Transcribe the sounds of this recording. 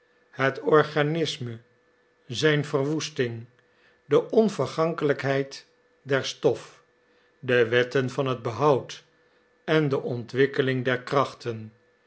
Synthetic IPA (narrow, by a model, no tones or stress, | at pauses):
hətɔɹχanɪsmə | zɛjnvərʋustɪŋ | dəʔɔnvəɹχɑŋkələkɦɛjt | dɛɹstɔf | dəʋɛtənvɑnɦəd̚bəɦɑwt | ɛndəʔɔntʋɪkəlɪŋdɛɹkrɑχtən